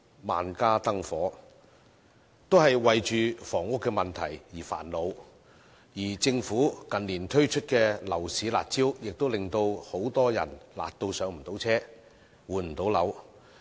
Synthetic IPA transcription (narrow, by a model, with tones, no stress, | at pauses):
ma̰ː˨nkaː˥t̪ɐ˥ŋfɔː˨˥ | t̪o˥wɦɐ˨jwɐ˨jt͡ʃyː˨fɔː˨˩ŋʊ˥kːɛ˧mɐ˨nt̪ʰɐ˨˩jjiː˨˩fa̰ː˨˩nlo˨˧w | jiː˨˩t͡sɪ˧ŋfuː˨˥kɐ˨nliː˨˩nt̪ʰɵ˥ɥt͡ʃʰɵ˥t̚kɛː˧lɐ˨˩wsiː˨˥la̰ː˨t̚t͡siː˥wjɪ˨k̚t̪o˥wlɪ˨ŋt̪o˧who˨˥wt̪ɔː˥jɐ̰˨˩nla̰ː˨t̚t̪o˧wsœː˨˥ŋm̩˨˩t̪o˨˥wt͡sʰɛː˥ | wuː˨˧nm̩˨˩t̪o˨˥wlɐ˨˥w